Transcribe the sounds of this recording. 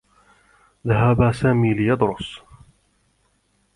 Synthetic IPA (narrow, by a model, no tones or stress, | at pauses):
ðaɦabaːsaːmiːlɪjɑd̪ɾʊs